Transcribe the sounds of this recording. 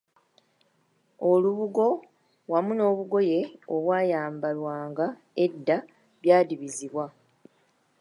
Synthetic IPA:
o̞luβuɡo̞ | wamuno̞ːβuɡo̞je̞oβwaːjaːmbalwaːŋɡa | e̞dːa | βjaːdiβiziβwa

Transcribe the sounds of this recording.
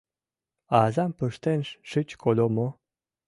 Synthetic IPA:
azampəʃt̪enʃʃɨt͡ɕkʰolʲomo

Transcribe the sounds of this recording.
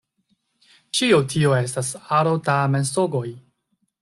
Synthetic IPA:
t͡ʃiotʰioe̞stasaɾotamensoɡo̞j

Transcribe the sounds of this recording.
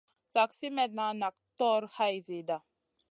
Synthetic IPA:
saksimɛt̪̚nanak̚t̪ɔɾhajzid̪a

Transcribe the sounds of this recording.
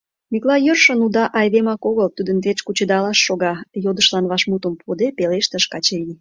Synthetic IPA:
miklɑjørʃənud̪ɑʔɑjd̪emɑkoɣəlt̪ud̪ənt̪et͡ɕkut͡ɕəd̪ɑlɑʃːoɣɑjod̪əʃlɑnβɑʃmut̪əmpʰod̪epeleʃt̪əʃkɑt͡ɕeɾi

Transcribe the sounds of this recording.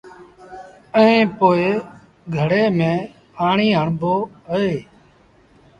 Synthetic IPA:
əẽːpoːeː | ɡʱəɽeːmẽː | paːɳiːɦəɳboːɦəeː

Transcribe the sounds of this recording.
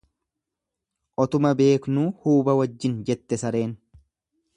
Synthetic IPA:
ʔɔt̪ʊmɐbe̞ːknuːhuːbɐwɐd͡ʒːɪnd͡ʒɛt̪ːɛsɐɾe̞ːn

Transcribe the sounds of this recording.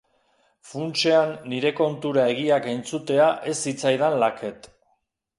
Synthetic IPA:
funt͡ʃe̞anːiɾe̞ko̞nt̪uɾae̞ɣ̞iakent͡sut̪e̞aʔe̞sːit͡sajðanlake̞t̪

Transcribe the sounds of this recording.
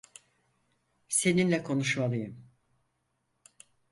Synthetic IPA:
se̞ninlʲɛkʰo̞nuʃmalˠɯjɯm

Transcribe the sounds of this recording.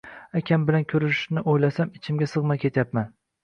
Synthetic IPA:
akʲʰambɪlankʲʰɵɾɪʃnɪʔojlasamɪt͡ʃʰɪmɡʲasɨʁmakʲʰe̞t̪ʰjapman

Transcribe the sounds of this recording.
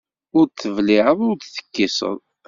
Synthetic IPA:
ʊɾt̪ːəvlɪʕəðˤʊɾt̪θə̥kːisə̰ðˤ

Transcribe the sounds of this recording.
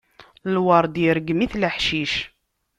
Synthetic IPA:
lwɑɾˤd̪iɾəɡmiθləħʃiʃ

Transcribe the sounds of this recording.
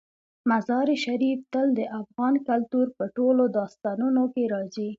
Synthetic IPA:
mazɑɾiʃaɾift̪əld̪əʔafɣɑnkalt̪uɾpəʈolod̪ɑst̪ɑnunokeɾɑzi

